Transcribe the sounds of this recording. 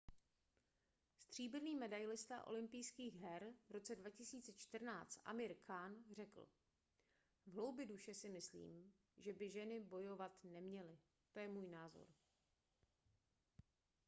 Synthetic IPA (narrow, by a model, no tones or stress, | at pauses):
st̪r̝̥iːbɪniːmɛdajlɪst̪a̰ʔo̞̰lɪmpijskiːɣɦɛɾvɾo̞t͡sɛdvacɪsiːt͡sɛt͡ʃt̪r̩naːt͡st̪ʔa̰mɪɾkʰaːnr̝ɛkl̩ | vɦlo̞wbjɪduʃɛsɪmɪslḭːm | ʒɛbɪʒɛnɪbo̞jovat̪nɛmɲɛlɪ | t̪ojɛmuːjnaːzo̞̰ɾ